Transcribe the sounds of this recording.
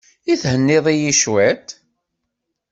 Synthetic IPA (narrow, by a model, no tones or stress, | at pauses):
iθhənːɪðˤijiʃwet̪